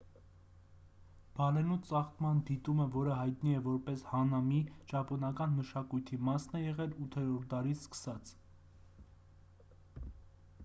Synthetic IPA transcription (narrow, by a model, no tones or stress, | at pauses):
b̥ɑlɛnut͡sɑχt̪mɑnd̪it̪uməvɔɾəɦɑjt̪̚niɛvɔɾpɛshɑnɑmit͡ʃɑpɔnɑkɑnməʃɑkujt̪ʰimɑsnɛjɛʁɛlut̪ʰɛɾɔɾ̚d̪ɑɾiskə̥sɑt͡sʰ